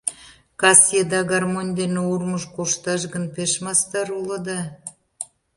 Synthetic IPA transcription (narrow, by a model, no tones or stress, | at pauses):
kɑsjed̪ɑɣɑrmonʲd̪eneurməʃkoʃt̪ɑʃ̬ɣənpeʃmɑst̪ɑɾuləd̪ɑ